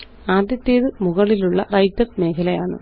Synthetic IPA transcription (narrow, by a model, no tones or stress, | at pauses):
aːd̪jɐt̪ːejːðɨmuɣɐɭiluɭːɐ̰rɐjtːɐrme̞ːkʰɐlɐjaːɳɨ̰